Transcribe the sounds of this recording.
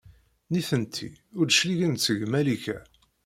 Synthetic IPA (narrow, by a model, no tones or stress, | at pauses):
niθənt̪ʰḭʊɾd̪ʃliʝənt͡sːəʝmæliçæ